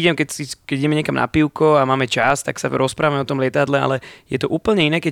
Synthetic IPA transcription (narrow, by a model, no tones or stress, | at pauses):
iɟɛmkɛsikɛiɟɛmɛɲɪɛkamna̰piʊkɔamaːmɛt͡ʃast̪aksa̰ɾɔspɾaːʋamɛɔt̪ɔmlɪɛt̪ad̪lɛa̰lɛjɛt̪ɔʔuːpl̩ɲɛinɛːkɛ